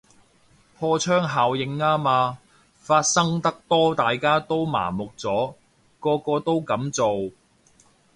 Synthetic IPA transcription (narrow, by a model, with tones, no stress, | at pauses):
pʰɔː˧t͡sʰœː˥ŋɦaː˨wjɪ˨ŋːaː˥maː˧ | faː˧t̚sɐ˥ŋt̪ɐ˥k̚t̪ɔː˥t̪aː˨jkaː˥t̪o˥wma̰ː˨˩mʊ˨k̚t͡sɔː˨˥ | kɔː˧kɔː˧t̪o˥wkɐ˨˥mt͡so˨w